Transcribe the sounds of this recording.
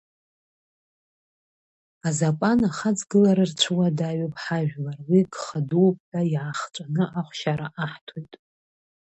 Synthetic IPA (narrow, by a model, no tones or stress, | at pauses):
azapʼanaχad͡zɡɨlaɾɨrt͡ɕʷʰɨwadaɥopʼħaʒᶣlarwiɡχaduwp̚ʰʼħaiʕaχt͡sʷʼanɨʔaχʷʃaɾaʔaħtʰojtʼ